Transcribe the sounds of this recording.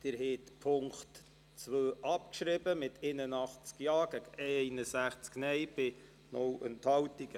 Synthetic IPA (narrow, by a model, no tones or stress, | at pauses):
d̪̥ɪɾɦɛt̪pʰʊŋkt | t͡sʋøːʔɑpkʃɾɪbəmɪt̪ʰenənɑχt͡skjɑːɡəkɛɪnəsæχt͡sknɛjb̥ɪ | nɔwənt̪hɑwtiɡ̥ə